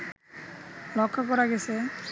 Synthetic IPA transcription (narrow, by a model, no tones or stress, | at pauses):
lɔkʰːɔkɔɾaɡesʰe